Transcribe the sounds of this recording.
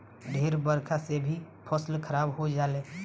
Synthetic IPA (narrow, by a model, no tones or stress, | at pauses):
ɖʱeːɾbəɾkʰasebʱi | pʰɔslkʰəɾaːbɦod͡ʒaːleː